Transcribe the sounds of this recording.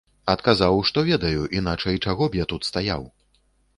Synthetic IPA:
ɐt̪kazawʂt̪ɔvʲɛd̪ɐjuʔin̪at͡ʂɐjt͡ʂaɣɔbjat̪ut̪st̪aja̰w

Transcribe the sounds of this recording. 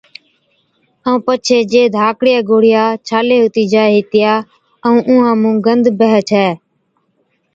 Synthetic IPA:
əũːpət͡ʃʰeːd͡ʒeːd̪ʱaːkɽɪjaːɡoːɽ̤ɪjaːt͡ʃʰaːleːɦʊt̪iːd͡ʒaːɦɪːt̪ɪjaː | əũːʔũːɦãːmũːɡənd̪ʱbəɦət͡ʃʰɛː

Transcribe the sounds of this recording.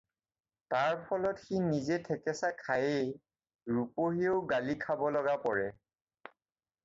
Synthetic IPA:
taɹpʰɔlɔtxinizɛtʰɛkɛsakʰajej | ɹupoɦioʊɡalikʰabɔlɔɡapɔɹɛ

